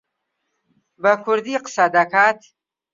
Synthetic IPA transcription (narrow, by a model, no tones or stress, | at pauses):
bəkʰʊɾd̪iqsad̪akʰat̪ʰ